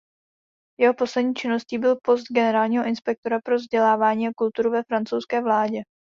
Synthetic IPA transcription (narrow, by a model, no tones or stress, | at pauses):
jɛɦo̞po̞slɛdɲiːt͡ʃɪno̞sciːbɪlpo̞st̪̚ɡɛnɛɾaːlɲiːɦo̞ʔɪnspɛk̚t̪o̞ɾapɾo̞vzɟɛlaːvaːɲiːakult̪uɾuvɛfɾant͡sowskɛːvlaːɟɛ